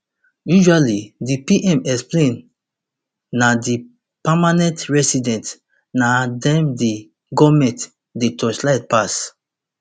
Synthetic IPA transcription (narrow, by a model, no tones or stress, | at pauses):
juʒwalidipiʔɛ̃mɛksplẽn | adi | pamanɛ̃ntɹɛsidɛ̃nt | nadɛ̃mdi | ɡɔmɛ̃nt | detɔslaɪt̚pas